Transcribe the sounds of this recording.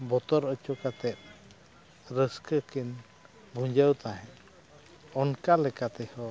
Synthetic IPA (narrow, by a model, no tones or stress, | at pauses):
bɔt̪ɔɾət͡ʃɔkat̪ɛt̪̚ | ɾəskəkin | bʱuɲd͡ʒəwt̪aɦɛ̃ | ɔnkalɛkat̪ɛhɔ